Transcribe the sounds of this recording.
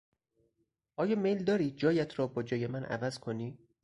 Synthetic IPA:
ʔɒːjɒːmejld̪ɒːɾiːd͡ʒɒːjæt̪ʰɾɒːbɒːd͡ʒɒːje̞mænʔæ̰væzkʰoniː

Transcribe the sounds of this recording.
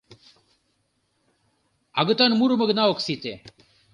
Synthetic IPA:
aɡət̪anmuɾuməɡnaʋoksit̪e

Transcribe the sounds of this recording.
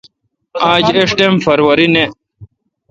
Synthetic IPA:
aːd͡ʑeʂʈemfɐɾwɐɾine

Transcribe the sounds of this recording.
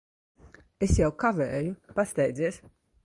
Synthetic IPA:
esjawkavɛːjupast̪ɛjd̪ziːs

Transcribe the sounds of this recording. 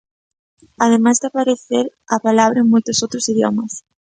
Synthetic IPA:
aðemazðɪapaɾeθeɾapalaβɾɐeŋmojt̪ʊsowt̪ɾʊsiðjo̰mɐs

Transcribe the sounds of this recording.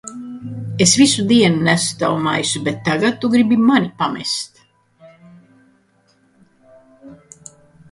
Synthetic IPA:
esvisud̪iɛnunæst̪a̰wma̰jsubet̪ːaɡat̪̚t̪ːuɡɾibimanʲipamɛ̰st̪

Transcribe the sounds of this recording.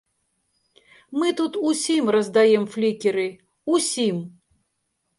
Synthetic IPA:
mɨt̪ut̪usʲimrəzd̪ajɛmflʲikʲɪɾɨ | usʲim

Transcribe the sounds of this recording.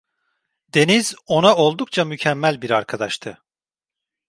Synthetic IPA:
d̪e̞nizo̞nao̞lˠd̪uk̚t͡ʃʰamycʰɛmːælʲbiɾaɾkʰad̪aʃt̪ʰɯ

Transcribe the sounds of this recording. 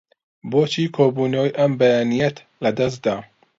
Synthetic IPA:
boːt͡ʃiːkʰoːbuːnojʔɐmbɐjanijɛt̪ | lɐd̪ɐs̬t̪d̪a

